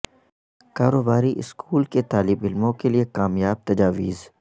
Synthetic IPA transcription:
kaːɾoːbaːɾiʔɪskuːlket̪aːlɪbɪlmõkeliekaːmjaːb̚t̪ɐd͡ʒaːʋiːz

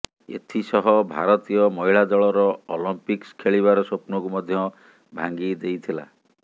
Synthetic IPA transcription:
ḛt̪ʰisɔɦɔbʱa̰ɾɔt̪ijɔmɔɦiɭad͡ʒɔɭɔɾɔolɔmpikskʰeɭiβaɾɔsopnɔkumɔd̪ʱjɔ | bʱaŋɡid̪ejt̪ʰila̰

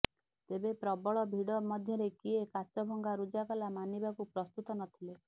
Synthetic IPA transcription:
t̪ebepɾɔbɔɭɔbʱiɽɔmɔd̪ʱjɔɾekiekat͡ʃɔbʱɔŋɡaɾud͡ʒakɔlamanibakupɾɔst̪ut̪ɔnɔt̪ʰile

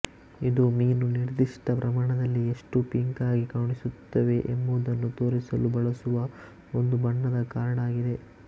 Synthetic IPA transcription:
id̪umiːnuniɾd̪iʂʈɐpɾɐmaːɳɐd̪ɐlːieʂʈupiŋkaːɡikaːɳisut̪ːɐʋe̞ʔembud̪ɐnːut̪o̞ːɾisɐlubɐɭɐsuʋɐ | ond̪ubɐɳːɐd̪ɐkaːɾɐɳaːɡid̪e̞

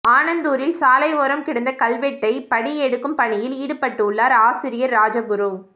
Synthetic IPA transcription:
aːnɐnd̪uːɾɪlsaːlɐɪʋoːɾɐmkɪɽɐnd̪ɐkɐlʋɛʈːɐɪpɐɽiɛɽɯkːɯmpɐɳɪjɪliːɽɯpɐʈːɯʊɭːaːɾaːsɪɾɪjɐɾːaːd͡ʒɐɡʊɾu

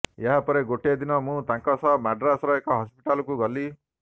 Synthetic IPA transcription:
jaɦapɔɾeɡoʈed̪inɔmũt̪ãŋkɔsɔmaɖɾasɔɾɔekɔɦɔspiʈalɔkuɡɔli

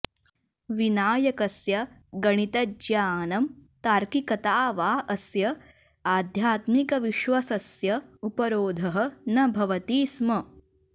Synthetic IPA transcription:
ʋinaːjɐkɐsjɐɡɐɳ̃it̪ɐd͡ʒjaːnɐmt̪aːɾkikɐt̪aːʋaːɐsjɐ | aːd̪ʱjaːt̪mikɐʋiʃʋɐsɐsjɐupɐɾoːd̪ʱɐɦɐ̆nɐbʱɐʋɐt̪iːsmɐ

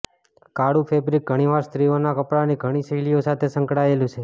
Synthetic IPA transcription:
kaɽũpʰebɾik̚ɡʱəɽ̃iʋaɾst̪ɾionakəpɽaniɡʱəɽ̃isəiliosat̪ʰesəŋkɽaelũt͡ʃʰe

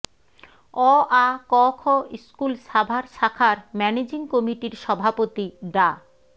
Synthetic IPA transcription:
ɔakɔkʰɔiskulʃabʱaɾʃakʰaɾmɛned͡ʑiŋkɔmiʈiɾʃɔbʱapot̪iɖa

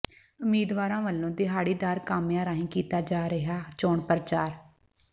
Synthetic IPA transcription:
ʊmiːd̪ʋaːɾãːʋəlːõːd̪ɪɦaːɽiːd̪aːɾkaːmjãːɾaːɦĩːkiːt̪aːd͡ʒaːɾəɦaːt͡ʃoːɳpəɾət͡ʃaːɾ

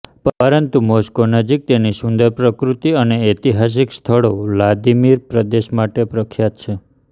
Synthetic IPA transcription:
pɾənt̪umoskonəd͡ʒik̚t̪enisʊnd̪əɾpɾəkɾut̪iəneet̪iɦas̬ikst̪ʰəɭolad̪imiɾpɾəd̪eʃmaʈepɾəkʰːjat̪t͡ʃʰe

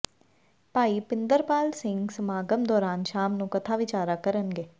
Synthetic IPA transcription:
paːiːpɪnd̪əɾpaːlsɪŋɡsəmaːɡəmd̪ɔːɾaːnʃaːmnũːkət̪ʰaːʋɪt͡ʃaːɾaːkəɾənɡeː

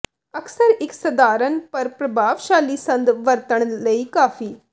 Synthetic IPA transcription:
əksəɾɪksəd̪aːɾənpəɾpɾəbʱaːʋʃaːliːsə̃nd̪ʋəɾt̪əɳ̃ləiːkaːfʰiː

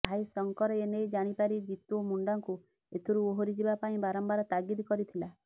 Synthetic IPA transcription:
ajsɔŋkɔɾɔenejd͡ʒaɽ̃ipaɾid͡ʒit̪omuɳɖaŋku | et̪ʰuɾuoɦoɾid͡ʒibapaĩbaɾɔmbaɾɔt̪aɡid̪kɔɾit̪ʰila

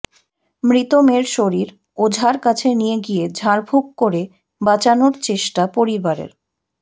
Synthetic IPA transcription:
mɾit̪omeɾʃoɾiɾ | od͡ʑʱaɾkat͡ɕʰenijeɡijed͡ʑʱaɾbʱuk̚koɾe | bat͡ɕanoɾt͡ɕeʃʈapoɾibaɾḛɾ

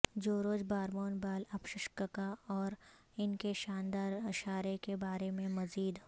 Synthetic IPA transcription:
d͡ʒoːɾoːd͡ʒbaːɾmoːnbaːlɐpʃɪʃkəkaɔːɾ | ɪnkeʃaːnd̪aːɾɪʃaːɾekebaːɾemẽmɐziːd̪

